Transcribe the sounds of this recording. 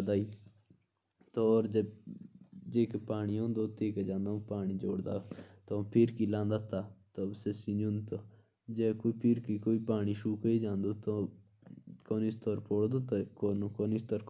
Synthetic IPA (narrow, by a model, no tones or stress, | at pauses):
d̪aːiː | t̪oɔːɾd͡ʒe | d͡ʒeːkepaːniõːnd̪oːt̪eːked͡ʒãːnd̪ãːpaːɳiːd͡ʒo̰ːɽd̪a̰ːt̪opʰɪɾkiːlãːnd̪aːt̪aːt̪osesiːd͡ʒʊ̃nt̪o | d͡ʒɛːkoːipʰɪɾkiːkoːiːpaːɳiːʃuːkəid͡ʒãːnd̪oːt̪o | koːniːst̪ɔːɾpoːɽd̪oːt̪akoːnokoːniːst̪ɔːɾ